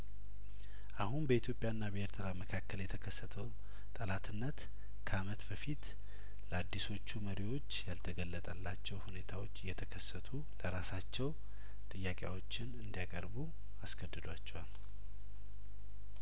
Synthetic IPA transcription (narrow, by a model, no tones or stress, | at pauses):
ʔahunbəit̪ʰjo̞pʼjaɨnːabheɾt̪ʰɨɾaməkʰakːəljɛt̪ʰəkʰəsːət̪ʰəw | t̪ʼəlat̪ʰɨnːət̪ | kʰəamət̪bəfit̪ | ləad̪ːiso̞t͡ʃːuməɾiwo̞t͡ʃːjalt̪ʰəɡəlːət̪ʼəlːat͡ʃːɛwhune̞t̪ʰawo̞t͡ʃːɨjːɛt̪ʰəkʰəsːət̪ʰu | ləɾasat͡ʃːɛw | t̪ʼɨjːakʼja̰wo̞t͡ʃːɪnɨnd̪ijakʼəɾbu | askʰəd̪ːɨd̪wat͡ʃːɛwal